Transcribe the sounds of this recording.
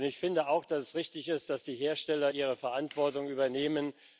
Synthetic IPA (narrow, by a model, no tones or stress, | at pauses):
nɪçfɪndəaʊxd̥asɛsʁɪçtɪçɪstd̥asd̥iːɦeːɐʃtɛlɐʔiːʁ̞əfɛɐʔantv̥ɔɐtʊŋyːbɐneːmən